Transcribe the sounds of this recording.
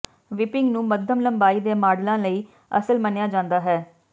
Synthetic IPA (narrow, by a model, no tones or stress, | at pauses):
ʋɪpɪŋɡnũːməd̪ʱəmləmbaːiːd̪eːmaːɖlãːləiː | əsəlmənejaːd͡ʒãːnd̪aːɦɛː